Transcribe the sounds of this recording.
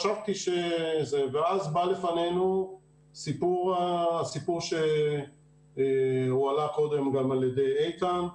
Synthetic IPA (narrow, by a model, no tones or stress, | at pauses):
ʃavt̪iʃezeveazbale̞fanenu | sipuʁaasipuʁʃe | ualako̞d̪e̞mɡamaljed̪e̞jejt̪an